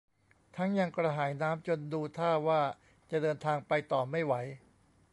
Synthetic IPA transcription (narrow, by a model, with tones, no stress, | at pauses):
t̪ʰa˦˥ŋja˧ŋkɾa˧ɦaː˩˦jnaː˦˥mt͡ɕo˧nduː˧t̪ʰaː˥˩waː˥˩ | t͡ɕa˨˩dɤː˧nt̪ʰaː˧ŋpa˧jt̪ɔː˨˩ma˥˩jwa˩˦j